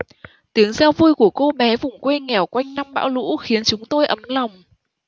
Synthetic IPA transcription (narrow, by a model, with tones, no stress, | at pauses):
t̪i˨˦əŋzɛ˧wvu˧jku˧˩əko˧ɓɛ˨˦vʊ˨˩ŋ͡mkwe˧ŋɛ˨˧˩wkwa˧jŋ̟na˧mɓa̰ː˧˥wlṵ˧˥xi˨˦ənt͡ɕʊ˨˦ŋ͡mt̪o˧jʔə˨˦mla˨˩wŋ͡m